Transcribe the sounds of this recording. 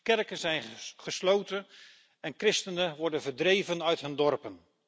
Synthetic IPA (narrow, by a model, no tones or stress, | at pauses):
kɛrkənzɛjnχəslowtən | ɛnkrɪstənənʋɔɹdənvəɹdrejvənœɥtɦɵndɔrpən